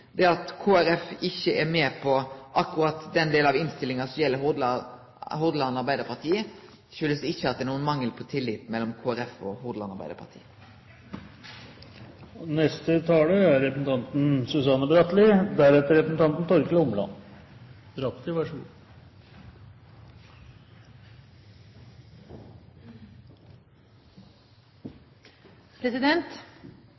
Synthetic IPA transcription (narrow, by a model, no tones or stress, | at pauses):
d̪ɛɑt̪kʰoːæɾɛfɪçːəɛmeːpʰɔʔɑkːʊɾɑt̪d̪ɛnd̪eːlnɑʋɪnst̪ɪlːɪŋɑsɔmjɛlːəɦ | ɦuːd̪əlɑnɑɾbæɪd̪əɾpʰɑɾt̪ʰiːə | ʃʉlːəsd̪ɛɪçːəhɑt̪d̪ɛnuːənmɑŋːəlpʰɔt̪ʰɪlːɪt̪mɛlːɔmkʰoːæɾɛfɔhuːd̪əɑnɑɾbæɪd̪əɾpʰɑ̰t̪ʰḭːə | nɛst̪ət̪ʰɑːləæɾɾɛpɾəsn̩t̪ʰɑnt̪n̩sʉsɑnːəbɾɑt̪lɪd̪æɾɛt̪ːəɾɛpɾəsn̩t̪ʰɑnt̪n̩t̪ʰɔɾkəlɔmlɑ̰n | bɾɑt̪lɪʋæʂɡṵː | pʰɾɛsɪd̪ɛnt̪